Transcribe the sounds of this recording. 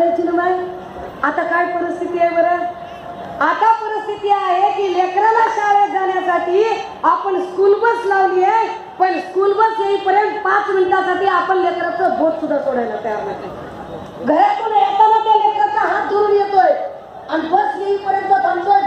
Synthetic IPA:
et͡ʃunumaj | at̪akajpəɾist̪ʰit̪iebəɾə | at̪apəɾist̪ʰit̪iaɦekilekɾalasaʋed͡zanjasaʈiː | apəɳskulbəslaʋnije | pəɳskulbəsjeɦipəɾjənt̪̚pãt͡sminʈasaʈiːapəɳlekɾat͡səbʱot̪sud̪ʱːasoɽajlat̪jaɾmat̪ːe | ɡʱəɾet̪unet̪anat̪jalekɾat͡saɦãd͡zəɾuɾijet̪oj | anibəsjeɦipəɾjə̃nt̪ət̪ənsoj

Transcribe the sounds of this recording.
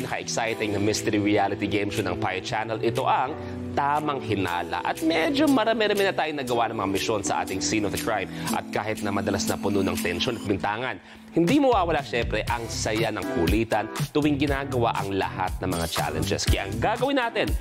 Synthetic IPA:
nɐkɐʔɛksajt̪ɛɡ̚nɐmɪst̪ɛɾiɹialɪt̪iɡejmʃonɐŋpajt͡ʃanɛlɪt̪o̞ʔɐŋ | t̪aːmɐŋhɪna̰ːlɐ̰ʔɐt̪̚mɛd͡ʒomɐɾɐmɛɾɐmɛnɐt̪aːjʊnɐɡɐwanɐŋmɐŋamɪʃo̞nsɐ̰ʔa̰ːt̪ɪŋsinofd̪ɐkɹajmʔɐ̰t̪̚kaːhɪt̪̚nɐmɐd̪ɐlasnɐpʊnonɐ̰ŋt̪ɛnʃo̞nɐt̪̚bɪnt̪aːŋɐn | hɪnd̪imɐwaːwɐlaʃɛmpɾɛʔɐŋssɐjanɐŋkuliːt̪ɐnt̪ʊwɪŋɡɪnaːɡɐwa̰ʔɐŋlɐ̰ha̰t̪̚nɐŋmɐŋat͡ʃa̰lɛnd͡ʒɛ̰skɐjʔaŋɡaɡɐwɪnaːt̪ɛn

